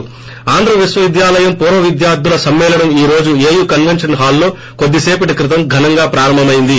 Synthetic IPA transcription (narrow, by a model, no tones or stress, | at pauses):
aːnd̪ɾɐʋisʋɐʋid̪jaːlɐjɐmpuːɾʋɐʋid̪jaːɾd̪ulɐsɐmːɛːlɐɽɐmiːɾo̞ːd͡ʒueːjukɐnʋenʂɐnɦaːlːo̞ː | ko̞d̪ːiseːpɐʈikɾit̪̬ɐmɡʱɐnɐŋɡaːpɾaːɾɐmbʱɐmɐjind̪i